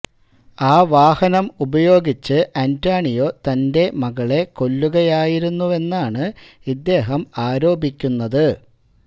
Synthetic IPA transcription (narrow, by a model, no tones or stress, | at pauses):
aːʋaːhɐnɐmubɐjo̞ːɡit͡ɕːɨʔɐntaːɳijo̞ːt̪ɐnde̞mɐɣɐɭe̞ko̞lːuɣɐjaːjiɾunːue̞nːaːɳɨ | id̪ːe̞ːɦɐmaːɾo̞ːbikʲːunːɐðɨ